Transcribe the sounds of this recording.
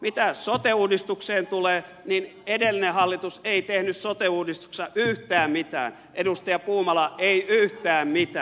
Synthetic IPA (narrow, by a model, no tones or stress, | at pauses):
mit̪æsot̪euːdist̪ukseːnt̪uleːninedelːˑinehɑlːit̪useit̪ehnyssot̪euːdist̪u̥ksɑʔyht̪æːmmit̪æ̰ːn | ʔedust̪ɑjɑpuːmɑlɑʔeiʔyht̪æːmmit̪æː